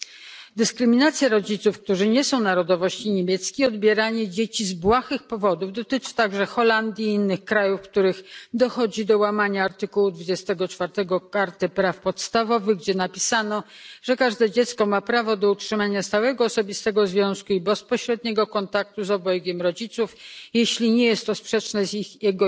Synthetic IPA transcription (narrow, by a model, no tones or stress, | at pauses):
d̪ɘskɾɘmʲinat̪sʲjaɾɔd͡ʑit̪sufkt̪uʐɘɲɛsɔ̃w̃naɾɔd̪ɔvɔɕt͡ɕiɲemʲjɛt̪skʲiɔd̪̚bʲjɛɾaɲɛd͡ʑet͡ɕizbwaxɘxpɔvɔd̪uvd̪ɔt̪ɘt͡ʂɘ̥t̪aɡʐɛxɔland̪ʲjiinːɘxkɾajufkt̪uɾɘxd̪ɔxɔd͡ʑid̪ɔwamaɲaːɾt̪ɘkuwud̪vud͡ʑɛst̪ɛɡɔt͡ʂfaɾt̪ɛɡɔkaɾt̪ɘpɾafpɔt̪st̪avɔvɘɣɡd͡ʑɛnapʲisanɔ | ʐ̥ɛkaʐd̪ɛd͡ʑɛt̪skɔmapɾavɔd̪ɔutʂɘmaɲast̪awɛɡɔːsɔbʲist̪ɛɡɔzvʲjɔ̃w̃skuibɛspɔɕɾɛd̪ɲɛɡɔkɔnt̪ak̚t̪uzɔbɔjɡʲɛmɾɔd͡ʑit̪sufjeɕlʲiɲɛjɛst̪ːɔspʂɛt͡ʂnɛzixjɛɡɔ